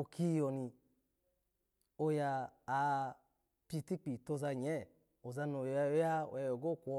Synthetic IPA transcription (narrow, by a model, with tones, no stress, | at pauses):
o˨kʰi˦˧˦jɔ˨ni˧ | o˧jaː˧˨ | pi˦˧ti˦k͡pi˨to˧˨za˧˨ɲɛ˦˨ | o˨za˧no˨ja˧˨˦ja˦o̰˨ja˧jɔ˨ɡo˦˨kʷɔ˧